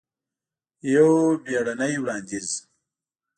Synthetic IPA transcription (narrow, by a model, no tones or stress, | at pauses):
jobeɽanajwɽɑːnd̪iz